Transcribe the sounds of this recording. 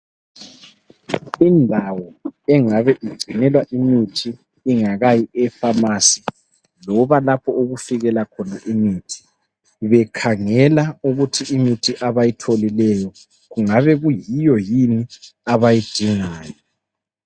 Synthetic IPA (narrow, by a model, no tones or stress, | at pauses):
indʱawɔɛŋaβɛʔiɡ͡ǀʱinɛlwaʔimitʰiː | ŋaɣajiʔɛfamasi̥ | lɔβalapʰɔoɣufiɣɛlakʰɔnaʔimiːtʰi̥ | βɛkʰaŋɛlauɣutʰiimitʰiʔaβajitʰolilɛjɔ | ɣuŋaβɛɣujijɔjiniaβajid̥ʱiŋaːjɔ